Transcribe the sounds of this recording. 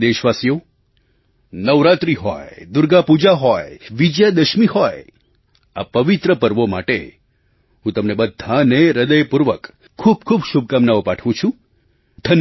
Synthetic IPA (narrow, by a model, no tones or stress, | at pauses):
d̪eʃʋasjo | nəʋɾat̪ɾiɦɔ̰jd̪ʊɾɡapud͡ʒaɦɔjʋid͡ʒjad̪əʃmihɔj | a̰pəʋit̪ɾəpəɾʋoma̰ʈḛ | ɦũt̪əmnebəd̪ʱːaneɾəd̪əjpuɾʋəkʰː | ub̚kʰubʃub̚kamnaʋopaʈʰʋũt͡ʃʰũ | d̪ʱən